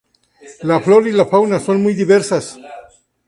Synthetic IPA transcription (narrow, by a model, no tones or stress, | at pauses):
lafloɾilafawnasonmujd̪iβeɾsas